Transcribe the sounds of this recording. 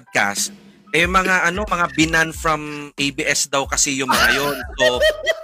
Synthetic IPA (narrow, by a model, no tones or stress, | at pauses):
d̪̚ka̰st̪̚ | ʔɛjmɐŋaʔɐno̞mɐŋabɪnanfɹɐmʔejbiʔɛsd̪ɐwkɐsɛjʊŋmɐŋajonso